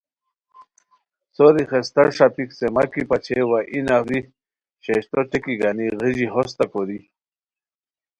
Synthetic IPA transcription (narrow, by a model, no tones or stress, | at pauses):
soɾiχest̪aɾʂapiksemakipat͡ɕʰewaʔinaɾi | ɕeɕt̪oʈikiɡaniɣiʑiɦost̪akoɾi